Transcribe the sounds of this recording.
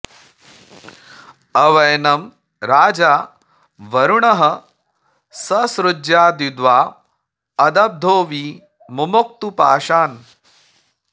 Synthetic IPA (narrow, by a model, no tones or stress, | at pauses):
ɐʋɐjnɐm | ɾaːd͡ʒaː | ʋɐɾuɳɐɦɐ | sɐsɾud͡ʒjaːd̪id̪ʋaː | ɐd̪ɐb̚d̪ʱoːʋiː | mumok̚t̪upaːʃaːn